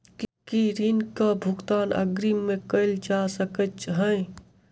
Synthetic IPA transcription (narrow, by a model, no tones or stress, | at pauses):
kkiɾinkəbʱuɡt̪aːnə̰ɡɾimekəɪld͡ʒasəkət͡ʃɦə̃j